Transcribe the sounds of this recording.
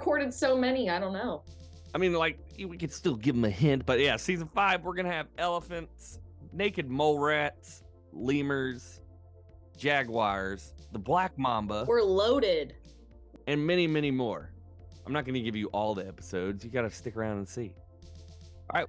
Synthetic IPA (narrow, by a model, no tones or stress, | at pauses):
kʰɔɹɾɨd̥soʊmɛniaɪɾõʊ̃nːoʊ | aɪmĩnlaɪk̚wikɨd̥stɪlˠɡɪṽmɨhɪ̃nt̚b̥ʌt̚jæsizɨ̃n̩faɪvwəɹɡʌ̃nɨɨvɛlˠəfɨ̃ntsneɪkɨd̚moʊlˠɹæts | lĩmə˞z̥ | d͡ʒ̥æɡwɑ˞z̥ðəblæk̚mɑ̃mbəwə˞loʊɾɪd̥ | ɨ̃nmɛɾ̃imɛñimɔɹ | ãɪ̃mnət̚ɡ̥ʌnɨɡɪvjɨʔɔlˠðiɛpə̥soʊdzjɨɡɑɾɨstɪkə˞ãʊ̃ndə̃nsi | ɹaɪt̚